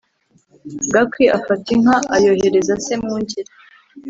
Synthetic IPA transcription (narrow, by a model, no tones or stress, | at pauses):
ɡakwiʔafatiŋhaʔajohe̞ɾe̞zasemŋuːɲɟiɾa